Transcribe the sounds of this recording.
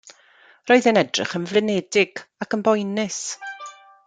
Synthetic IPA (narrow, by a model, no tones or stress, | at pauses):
roɨðənɛdrɪ̰χənvlˠɪnɛdɪɡ̥akənbɔjnɪs